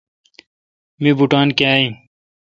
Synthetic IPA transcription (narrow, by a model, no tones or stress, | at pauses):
mibuʈaːnkaːĩ